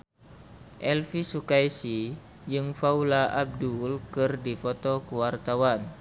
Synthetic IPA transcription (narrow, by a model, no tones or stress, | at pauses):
ʔɛlfisukajsi | d͡ʒɨŋfaulaʔab̚dulkɨrdifɔt̪ɔkuwart̪awan